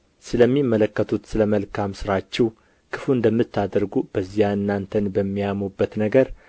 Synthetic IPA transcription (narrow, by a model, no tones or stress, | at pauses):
sɨləmːimːələkːət̪ʰut̪sɨləməlkʰamsɨɾat͡ʃːɛw | kʰɨ̥fuɨnd̪əmːɨt̪ʰːad̪əɾɡub̥əzːijaɨnːant̪ʰənbəmːijamobːət̪nəɡəɾ